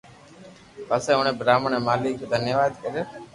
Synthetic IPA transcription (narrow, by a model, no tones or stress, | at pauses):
pəsẽːʊɳẽːbɾaːməɳẽːmaːliːkʰeːd̪ʱənjəʋaːd̪kəɾjoː